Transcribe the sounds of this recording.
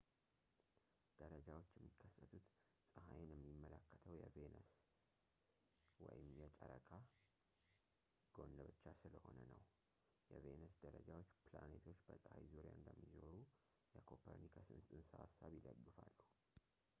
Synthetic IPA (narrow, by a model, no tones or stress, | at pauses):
d̪̥əɾəd͡ʒawo̞t͡ʃːjɛmːikʰːəsːət̪ʰut̪ | sʼəɦajnɛmːimːələkːət̪ʰəwjɛvenəs | wɔjɪmjɛt͡ʃʼəɾəkʰʼa | ɡ̥o̞nːəbɨt͡ʃːasɨləho̞nənəw | jɛvenəsd̪əɾəd͡ʒawo̞t͡ʃːpla̰net̪ʰo̞t͡ʃːbəsʼhajzuɾija̰ɨnd̪əmːizo̞ɾu | jɛkʰopʰəɾnikʰəsɨnst̪ʼɨnsəa̰sːaβjɪləɡːɨfalːuh